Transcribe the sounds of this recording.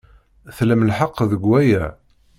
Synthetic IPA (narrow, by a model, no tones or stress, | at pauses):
θləmlħəqːðəɡwæjæ